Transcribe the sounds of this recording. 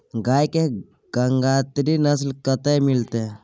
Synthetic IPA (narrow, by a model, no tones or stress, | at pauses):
ɡaːjke | ɡ̥əŋɡat̪ɾinəslkət̪emilt̪e